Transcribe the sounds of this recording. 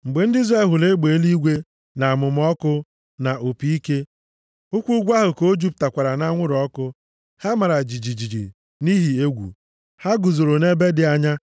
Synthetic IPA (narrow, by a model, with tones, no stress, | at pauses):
ŋ͡m̩˨ɡ͡be˨n̩˦di˦zɾa˦˨ɦʊ˨le˦ɡ͡be˨˦li˦ɡʷe˦ | na˨mʊ˨m˦ɔ˦kʊ˦ | na˨ʔo˨pi˦i˦ke˦ | ʊ˦kʷu˦ɡʷa˦ɦʊ˨ko˦d͡ʒu˦p̚ta˨kʷa˨ɾa˨na˦ŋʷʊ˦ɾɔ˦kʊ˦ | ha˦ma˨ɾa˨d͡ʒi˨d͡ʒi˨d͡ʒi˨d͡ʒḭ˨ | ni˦ɦi˨e˦ɡʷṵ˨ | ha˦ɡʊ˨zo˨ɾo˨ne˦be˦dɪ˨a˦ɲa˦